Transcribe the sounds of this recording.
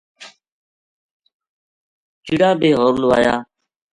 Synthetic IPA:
d͡ʒɪɽaːbeːɦoːɾlʊʋa̰ːjaː

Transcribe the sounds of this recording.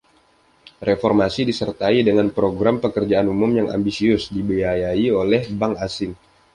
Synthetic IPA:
refɔrmasidisərt̪aidəŋanpɾoɡɾampəkərd͡ʒaanumʊmjaŋa̰mbisiʊsdibiajaiolɛhbaŋasɪŋ

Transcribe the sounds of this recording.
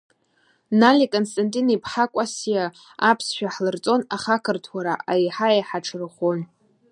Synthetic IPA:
nalʲikʼonstʼantʼinipʰħakʷʼasja | apʰsʃᶣaħlɨrt͡sʼo̞naχakʰɨrtʰwaɾaʔajħajħaʈ͡ʂʰɨrχʷon

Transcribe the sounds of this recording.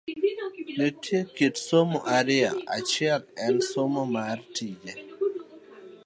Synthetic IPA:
netʰjekitsomoʔaɾɪa̰a̰t͡ʃɪɛlɛnsomɔmartid͡ʒe

